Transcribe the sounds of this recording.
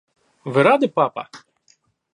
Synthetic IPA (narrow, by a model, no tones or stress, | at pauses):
ʋɪɾɑd̪ɪpɑpɐ̰